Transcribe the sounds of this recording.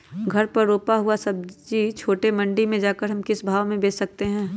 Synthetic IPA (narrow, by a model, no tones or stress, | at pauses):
ɡʱɐɾpɐɾːoːpaɦʊasɐb̚d͡ʒiːt͡ʃʰoːʈemɐ̃ɳɖimẽd͡ʒaːkəɾɦɐmkɪsbʱaːʋmẽbeːt͡ʃsɐk̚t̪eɦɛ̃ː